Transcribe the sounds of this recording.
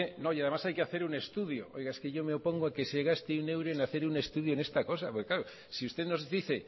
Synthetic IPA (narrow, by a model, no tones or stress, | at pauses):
eno̞jaðemasajkeaθe̞ɾune̞st̪uðjoo̞̰jɣaeske̞ʝo̞meo̞po̞ŋɡoake̞seɣast̪eune̞wɾoenaθe̞ɾune̞st̪uð̞jo̞ene̞st̪ako̞sapokeklaɾo | siust̪e̞ðno̞zðiθe̞